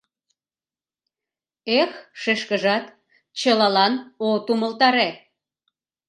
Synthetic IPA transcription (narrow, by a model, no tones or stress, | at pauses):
exʃeʃkəʒɑt̪ | t͡ɕəlɑlɑnot̪uməlt̪ɑɾe